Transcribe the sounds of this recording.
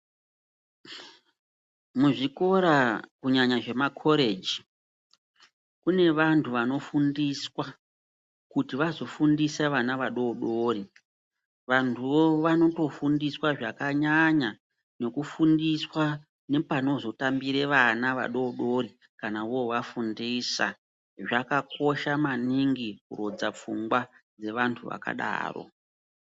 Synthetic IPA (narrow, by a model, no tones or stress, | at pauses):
muʐiko̞ɾakuɲaɲaʐe̞makʰo̞ɾe̞d͡ʒi | kune̞ʋantʰuʋano̞fundiswa | kutiʋazo̞fundiseʋanaʋaɗo̞ɗo̞ri | ʋantʰuo̞ʋano̞to̞fundiswaʐakaɲaɲa | ne̞kufundiswa | ne̞pano̞zo̞tambiɾe̞ʋanaʋa̰ɗo̞ɗo̞ri | kanaoʋafundiːsa̰ | ʐakako̞ʃamaniŋɡikuro̞d͡zap͡fṵŋɡwa | d͡ze̞ʋantʰuʋa̰ka̰ɗa̰ːro̞̰